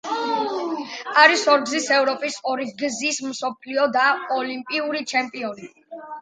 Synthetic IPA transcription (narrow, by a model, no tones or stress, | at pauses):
aɾisɔɾɡzisɛvɾɔpʼisɔɾiɡzismsɔpʰliɔd̪aɔlimpʼiuɾit͡ʃʰɛmpʼiɔni